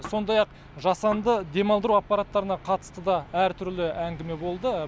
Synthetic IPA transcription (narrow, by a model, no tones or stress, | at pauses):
so̞nd̪ɑjɑq | ʒɑsɑnd̪əd̪e̞mɑlˠd̪əɾuɑpːɑɾat̪ːɑɾənɑqʰɑt̪ə̥st̪əd̪ɑæɾt̪ʰʏɾlɪʔæŋɡʲɪme̞bo̞lˠd̪ə